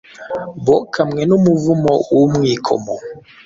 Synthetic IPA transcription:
bɔkʰamŋɛnumuvumɔumŋikʰɔ̰mɔ

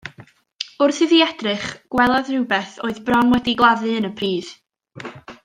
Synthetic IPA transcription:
ʊrθɨðiɛd̥rɨχɡ̥wɛlˠaðrɪwbɛθoːɨðbrɔnwɛdiɡlˠaðɨənəpʰriːð

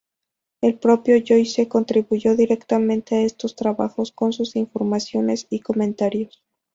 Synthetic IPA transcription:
e̞lpɾo̞pjo̞ʝojseko̞nt̪ɾiβuʝo̞ðiɾe̞kt̪amẽ̞nt̪e̞ae̞st̪o̞st̪ɾaβa̰xo̞sko̞nsusiɱfo̞ɾmasjo̞ne̞siko̞mẽnt̪aɾjos

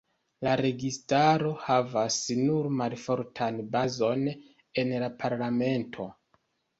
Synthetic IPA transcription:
laɾe̞ɡistaɾo̞havasnuɾmalfo̞ɾtʰanbazo̞n | e̞nlapʰaɾlame̞ntʰo̞

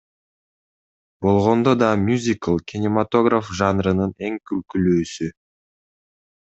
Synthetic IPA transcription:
bo̞lˠʁo̞nd̪od̪ɑmʲjuzʲikəlˠkʲʰinʲɪmat̪o̞ɡrafʒɑnɾɯnɯne̞ŋkylkylyːsy

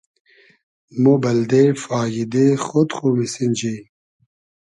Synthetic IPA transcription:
mobɐld̪efaːjid̪exot̪χumisind͡ʑi

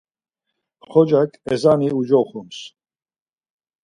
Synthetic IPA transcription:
χɔd͡ʒakʼɛzaniud͡ʒɔχums

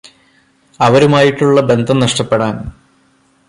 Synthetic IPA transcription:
ɐʋɐɾumaːjiʈːuɭːɐbe̞nd̪ʱɐmnɐʂʈɐpːeɽaːn

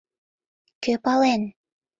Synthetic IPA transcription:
køpɑlen

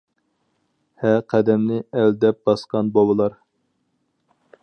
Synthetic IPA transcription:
hɛqʰæd̪ɛmnɪɛld̪ɛp̚bɑsqɑnbɑbəlˠɑɾ

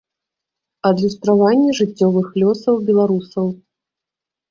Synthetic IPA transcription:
ɐd̪lʲust̪ɾavanʲːɛʐɨt͡sʲːɔvɨxlʲɔsɐwbʲɛlˠaɾusɐw

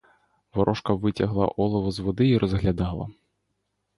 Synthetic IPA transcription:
ʋɔɾʔɔʂkɐʋɪt͡sʲɐɦlˠɐ̰ʔɔlˠɔʋɔzʋɔd̪ɪiɾɔzɣlʲad̪ɑlˠɐ̰

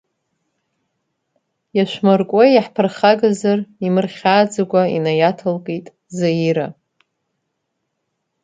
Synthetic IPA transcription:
jaʃʷᶣmarkʷʼoaħpʰɨrχaɡazarimɨrχʲaːd͡zaɡʷaḭnajatʰɨlkʼejtʼ | zaiɾa

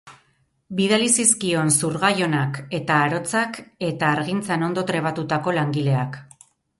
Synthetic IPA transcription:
biðalisiskio̞nsuɾɣajo̞nake̞t̪aːɾo̞t͡sake̞t̪aːɾɣint͡sano̞nd̪o̞t̪ɾe̞β̞at̪ut̪ako̞laŋɡile̞ak

